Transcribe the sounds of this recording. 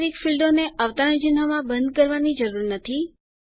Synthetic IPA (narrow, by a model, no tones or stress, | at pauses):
ɾikfilɖoneʔaʋt̪aənd͡ʒɪnɦamãbənd̪̚kəɾʋanid͡ʒəɾuɾnət̪ʰi